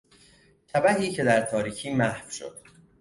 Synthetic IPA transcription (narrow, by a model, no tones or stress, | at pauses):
t̪ʰæbæhiːcʰe̞d̪æɾt̪ʰɒːɾiːcʰiːmæhfʃo̰d̪̥